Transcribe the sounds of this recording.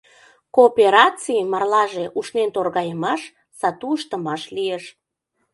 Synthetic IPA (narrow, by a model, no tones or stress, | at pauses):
koːpeɾɑt͡simɑrlɑʒeʔuʃnent̪orɣɑjəmɑʃ | sɑt̪uəʃt̪əmɑʃlieʃ